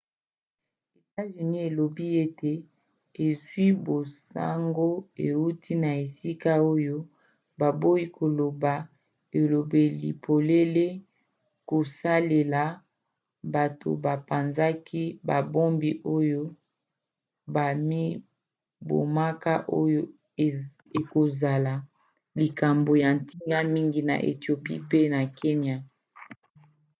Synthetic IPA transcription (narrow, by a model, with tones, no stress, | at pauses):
e˨ta˦zy˨ni˦e˨lo˨bi˦e˦te˨ | e˨zwi˦bo˨sa̰˦ŋɡo˦e˨wu˦tʰi˦na˨e˨si˦ka˦o˦jo˦ | ba˨bo˦ji˦kʰo˨lo˨ba˨ | e˨lo˨be˨lḭ˨pʰo˨le˦le˦ | ko˨sa˦le˨la˨ | ba˨tʰo̰˨ba˨pa˨nza˦kʰi˦ba˨bo˦mbi˦ʔo˦jo˦ | ba˨mi˦ | bo̰˨ma˦ka˦ʔo˦jo˦˨ | e˨ko˨za˨la˨ | li˨ka˨mbo˨ja˨n˨ti˦ŋɡa˦mi˦ŋɡi˨na̰˨ʔḛ˨ti˨o˨pi˦pe˦na˨ke˦ɲi˦a˦